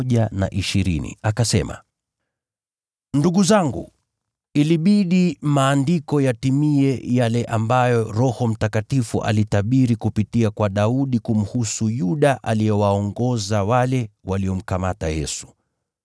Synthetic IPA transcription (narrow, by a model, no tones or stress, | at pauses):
ʄana̰ʔiʃiɾḭnḭakasɛ̰ma̰ | nduɡuzaŋɡu | iliɓiɗimaːndikɔjatimiɛjalɛʔambajɔɾɔhɔm̩takatifṵʔa̰litaɓiɾikupitiakwaɗauɗikum̩husujuɗaʔaliɛwaɔŋɡɔzawalɛwaliɔm̩kamatajɛ̰su̥